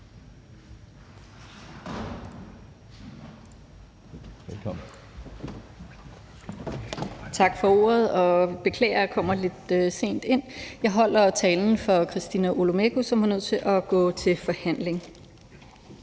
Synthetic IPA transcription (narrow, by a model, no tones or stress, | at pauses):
elkʰɒmn̩ | t͡sʰɑ̈ɡ̥fɒ̽o̝̰ːɐð̞ˠɒ̽b̥e̝kʰlɛ̰ːɐkʰɒ̽m̰ɐle̝d̥øse̝̰ːnd̥e̝n̰jɑ̈ɪɦɒ̽l̰ɐt͡sʰɛːln̩fɒ̽kʰʁisd̥inæʔolomeɡ̥usɒ̽mhanøð̞̰ˠt͡sʰe̝ʔɒɡ̥ɔ̰̽ːt͡sʰe̝fɒ̽hæn̰le̝ŋ